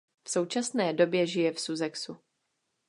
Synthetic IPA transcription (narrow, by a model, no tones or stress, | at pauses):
fso̞wt͡ʃasnɛːdo̞bjɛʒɪjɛfsuzɛksu